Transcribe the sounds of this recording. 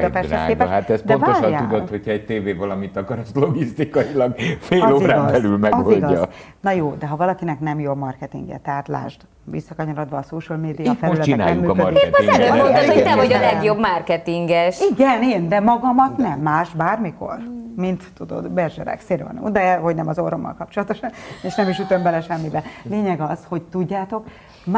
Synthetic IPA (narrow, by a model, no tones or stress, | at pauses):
d̪ɛpɛsɛ̰keːɛʃɦat̪ɛsd̪ɛnvaoːʃɔnjaːud̪oho̞cʰhɒɛɟ̚t̪eːveːvɒlɒmit̪ɒkɒɾɔslo̞ɡist̪ikɒjilɒɡfeːloːɾaːbɛlylmɛɡoilɡɒɒznɒjoːd̪ɛɦɒvɒlɒkinɛknɛmjomɒrkɛt̪ḭŋɡɛ̰t̪ɛɦaːt̪la̰ːʒd̪ | ʋḭsːɒkɒɲoɾod̪ʋɒːsoːʃəlmeːd̪ijfɛlylɛtt͡ʃiɛnaːnɛumːyːøieɛløonɔt̪ːɛojɒlɛɡjo̞bmarkɛt̪iŋɡɛʃiɡɛneːnd̪ɛmɒɡɒmɒt̪nɛmːaːʃbaːrmiko̞̰rmint̪ːud̪o̞̰d̪bɛrʒɛ̰ɾɛ̰kseːɾvɒ̰nṵd̪ɛɛɦo̞ɟnɛmɒzoɾomːɒ̰lkɒp̚t͡ʃolɒt̪o̞ʃɒneʃnɛmiʃyt̪ø̞mbɛlɛʃɛmːibɛleːɲɛɡɒzho̞ɟt̪uɟːaːt̪o̞k | m